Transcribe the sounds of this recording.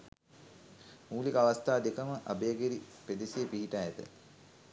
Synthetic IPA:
muːlikəaʋast̪aːd̪ekəməʔa̰bejəɡeɾiped̪iseːpiɦiʈajɛt̪ə̰

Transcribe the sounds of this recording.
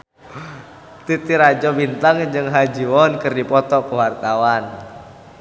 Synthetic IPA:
t̪it̪iɾad͡ʒɔbint̪aŋd͡ʒɨŋɦad͡ʒiwɔnkɨrdipɔt̪ɔkəwart̪awan

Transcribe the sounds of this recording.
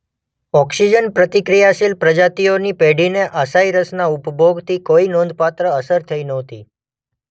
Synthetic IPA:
ɔksid͡ʒənpɾət̪ikɾijasilpɾəd͡ʒat̪ionipeɽineʔasaiɾəsnaupbʱoɡt̪ʰikoinɔ̃nd̪ʱpat̪ɾəəsəɾt̪ʰəinəɦt̪i

